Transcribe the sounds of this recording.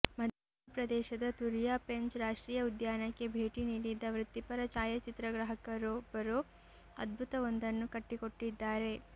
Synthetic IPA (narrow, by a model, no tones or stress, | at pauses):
mɐd̪ʱa | pɾɐd̪ɛːʃɐd̪ɐt̪uɾijaːpe̞ɲt͡ʃɾaːʂʈɾiːjɐud̪jaːnɐkːe̞bʱe̞ːʈiniːɽid̪ɐʋɾut̪ːipɐɾɐt͡ʃaːjɐt͡ʃit̪ɾɐɡɾɐɦɐkɐɾoːbɐɾoː | ɐ̰d̪̚bʱut̪ɐʋond̪ɐnːukɐʈːiko̞ʈːid̪ːaːɾe̞